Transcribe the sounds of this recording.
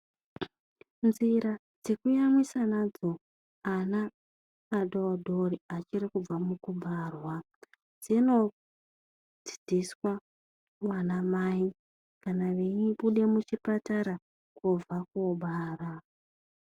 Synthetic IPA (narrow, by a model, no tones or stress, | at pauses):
nziɾa | d͡ze̞kujamisanad͡zo | anaː | ɗodʱoriat͡ʃiɾikub͡vamukuɓarwa | d͡zino̞ | d͡zi̥d͡ziswa | wanamai | kanaʋeɲiɓuɗe̞mut͡ʃipataɾa | kub͡vakoɓaːra